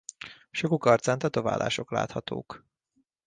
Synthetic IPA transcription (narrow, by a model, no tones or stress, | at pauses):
ʃokukɒrt̪saːnt̪ɒt̪o̞va̰ːlʔa̰ːʃo̞kla̰ːt̪hɒt̪o̰ːk